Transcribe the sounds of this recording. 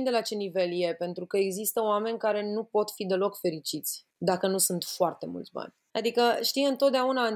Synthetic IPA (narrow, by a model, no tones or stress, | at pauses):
nd̪elat͡ʃe̞nive̞lje̞pe̞nt̪ɾukəeɡzist̪əoame̞nʲkaɾe̞nupo̞t̪fid̪e̞lo̞kfe̞ɾit͡ʃit̪sʲ | d̪akənusunt̪foart̪e̞mṵlt̪sʲba̰nʲ | ad̪ikəʃt̪imɨnt̪o̞t̪̚d̪eaunan